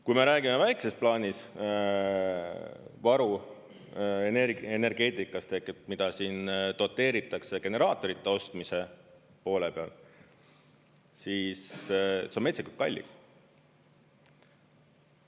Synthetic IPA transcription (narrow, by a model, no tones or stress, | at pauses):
kujme̞ɾæːɡ̥imevæjkse̞splɑːnʲis | vɑɾu | eneene̞rɡ̥e̞ːt̪ˑikːˑɑst̪e̞hket̪̚mid̪̥ɑsiːnt̪ot̪ːˑe̞ːɾit̪ːˑɑkseɡ̥e̞ne̞ɾɑːt̪ːˑo̞ɾit̪ːˑe̞o̞st̪mise̞ | po̞ːle̞pe̞ɑ̰l | siːssemetseikut̪̚kɑ̰lʲːḭs